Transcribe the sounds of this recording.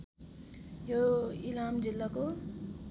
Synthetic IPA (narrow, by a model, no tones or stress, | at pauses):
joilamd͡zilːako